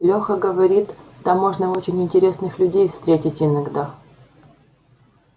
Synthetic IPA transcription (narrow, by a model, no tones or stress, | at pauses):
lʲoxəɡəvɐɾʲit̪d̪amːo̞ʐnəot͡ɕɪnʲɪnʲtʲɪɾʲe̞snɨxlʲʉdʲejfst̪ɾʲetʲɪtʲɪnɐɡd̪a